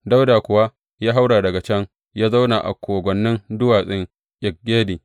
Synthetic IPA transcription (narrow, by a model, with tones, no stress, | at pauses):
da˦wdaː˨kʷʊ˨wa˦ | jaː˦ɦa˦wɽaː˨dɐ˨ɡa˨t͡ʃɐ˦ŋ | jaː˦za˦wnaː˨ʔa̰˨kʷʰoː˨ɡʷɔ˨nːɪ˦ndʊ˦waː˨sʼɪ˦ŋ | ʔʲʼɪ˨k̚ɡʲeː˦diː˨